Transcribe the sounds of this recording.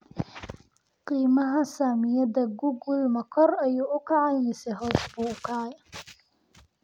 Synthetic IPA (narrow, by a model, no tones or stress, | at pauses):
qiːmɐɦɐsaːmɪjɐdɐɡʊɡʊlmɐkʰɔrɐjuːʔʊkʰɑʕɑjnɪsɛɦɔːsbuːkʰɑj